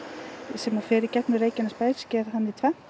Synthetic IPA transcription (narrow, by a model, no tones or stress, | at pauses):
sɛmafɪːɾɪcɛtnʏreːjcɪnaspaːj̥scɛɾhanːit̪ʰvɛ